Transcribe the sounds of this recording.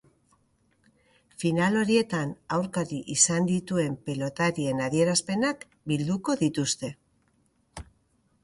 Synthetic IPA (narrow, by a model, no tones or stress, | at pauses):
finalo̞ɾie̞t̪anawɾkaɾiʔisand̪it̪ue̞mpelo̞t̪aɾie̞naðie̞ɾaspe̞nak | bild̪uko̞ðit̪ust̪e̞